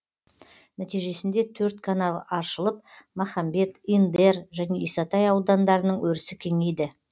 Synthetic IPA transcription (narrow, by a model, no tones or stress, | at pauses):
næt̪ijʒe̞sɪnd̪e̞t̪ʰɵɾt̪kʰanɑlˠɑʃəlˠəp̚mɑχɑmbe̞t̪ind̪e̞rʒæne̞isɑt̪ɑjɑwd̪ɑnd̪ɑɾənəɴwɵɾɪsɪkʲʰe̞ŋejd̪ɪ